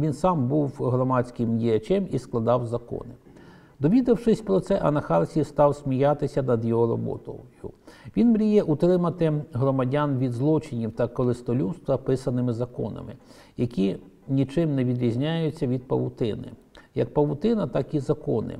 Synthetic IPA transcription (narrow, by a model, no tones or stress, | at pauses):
ʋʲinsɑmbuwɦɾɔmɑt͡sʲkɪmdʲijɐt͡ʃɛmisklˠɐd̪ɑwzɐkɔ̰nɪ | d̪ɔʋʲid̪ɐwʂɪsʲpɾɔt̪sɛʔɐnɐxɑrsʲist̪ɑwsʲmʲijɑt̪ɪsʲɐnɐd̪jɔɦɔɾɔ̰bɔ̰t̪ɔ̰jʊ̰ʋʲinmɾʲijɛʔut̪ɾɪmɐt̪ɪɦɾɔmɐdʲanʋʲid̪zlˠɔt͡ʃɪnʲiwt̪ɐkɔɾɪst̪ɔlʲuwst̪ʋɐpɪsɐnɪmɪzɐkɔ̰nɐ̰mɪ̰ | jɐkʲi | nʲit͡ʃɪmneʋʲid̪ɾʲizʲnʲajʊt͡sʲːɐʋʲid̪̚pɐ̰wʊt̪ɪnɪ̰jɐk̚pɐʋʊt̪ɪnɐt̪ɑkizɐkɔnɪ̰